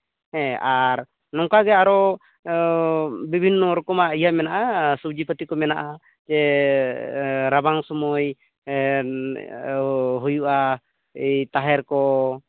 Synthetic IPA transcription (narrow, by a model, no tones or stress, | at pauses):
hɛ̃aɾ | nɔŋkaɡɛaɾɔ | bibʱinːɔɾɔkɔmaijamɛnaʔasubd͡ʒipət̪ikɔmɛnaʔa | d͡ʒɛ | ɾabaŋsɔmɔj | ɦujuʔa | ijt̪aɦɛɾkɔ